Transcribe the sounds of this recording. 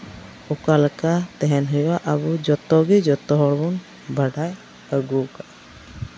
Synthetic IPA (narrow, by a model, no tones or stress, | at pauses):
ɔkalakat̪ɛɦɛnɦɔjwaʔabud͡ʒɔt̪ɔɡid͡ʒɔt̪ɔɦɔɽbɔn | bʱaɖaj | əɡuka